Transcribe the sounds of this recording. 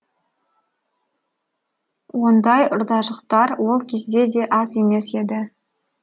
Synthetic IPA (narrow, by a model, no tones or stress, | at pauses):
wo̞nd̪ɑjʊɾd̪ɑʒəqt̪ɑɾwo̞lˠkʲʰe̞zd̪e̞d̪e̞ʔɑze̞me̞se̞d̪ɪ